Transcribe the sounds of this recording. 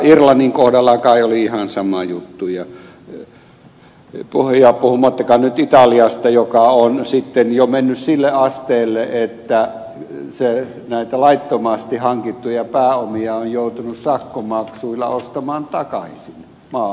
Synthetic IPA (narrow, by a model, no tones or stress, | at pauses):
irlɑnːiŋkohdɑlːɑkɑˑioliihɑnsɑmɑjut̪ːujɑ | puhjɑːpuhumɑt̪ːɑkɑnyt̪it̪ɑliɑst̪ɑjokɑonsit̪ːenjomenːyssilːeɑst̪eːlːeʔet̪ːæ | se | næˑit̪ælɑit̪ːomɑst̪ihɑŋkit̪ːujɑpæːomiɑojjout̪unussɑkːomɑksuilːɑ̰ost̪ɑmɑːnt̪ɑkɑisin | mɑː